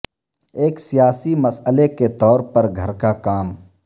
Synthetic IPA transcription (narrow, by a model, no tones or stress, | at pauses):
eːksijaːsimɐsəleket̪ɔːɾpəɾɡʱɐɾkakaːm